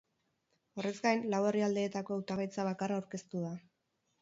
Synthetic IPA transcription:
o̞re̞zɡajnlaweriald̪e̞ːt̪ako̞awt̪aβajt͡saβ̞akaraːwɾke̞st̪uða

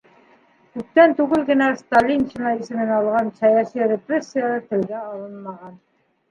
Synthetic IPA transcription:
kʉp̚t̪ænt̪ʉɡɘlɡɘ̆næst̪alʲːint͡ɕinɑisɘ̆mɘnɑlˠʁɑnsɑjɑsijɾʲeprʲesʲːijalˠɑɾt̪ɘ̆lɡæɑlˠɤnmɑʁɑn

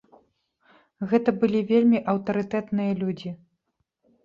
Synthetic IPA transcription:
ɣɛt̪ɐbɨlʲivʲelʲmʲiʔɐwt̪ɐɾɨt̪ɛt̪nɨjɐlʲud͡zʲi

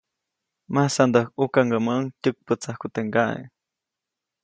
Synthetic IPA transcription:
masand̪axukaŋɡamaʔŋcʲək̚pət͡sahkut̪eŋɡaʔḛ

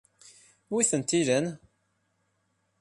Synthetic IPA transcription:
wiθənt̪ːilən

